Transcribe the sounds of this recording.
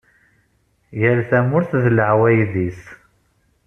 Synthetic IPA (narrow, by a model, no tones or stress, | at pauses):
jælθæmʊɾθðləʕwæjðis